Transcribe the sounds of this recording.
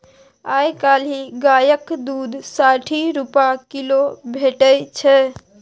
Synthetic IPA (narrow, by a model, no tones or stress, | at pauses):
ajkaliɡajəkd̪ud̪saʈʰiɾupakilobʱeʈəjt͡ʃʰɛ